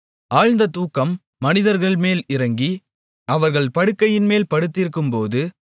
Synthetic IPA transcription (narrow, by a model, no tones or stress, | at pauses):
ʔaːɻnd̪ɐt̪uːkːɐmː | ɐnɪðɐɾɣɐɭmeːlɪɾɐŋɡi | ʔɐʋɐɾɣɐɭpɐɽɯkːɐjɪnmeːlpɐɽɯt̪ːɪɾɯkːɯmpoːðɯ